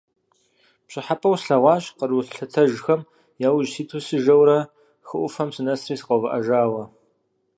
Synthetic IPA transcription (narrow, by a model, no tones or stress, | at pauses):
pɕɪħapʼɐwsɬɐʁʷɑːɕqərwʊɬɬɐtʰɐʒxɐm | jaːwʊʒsiːtʰusɨʒɐwɾɐ | xɨʔʷʊfɐmsɨnɐsriːsɨqɐwvɐʔɐʒaːwɐ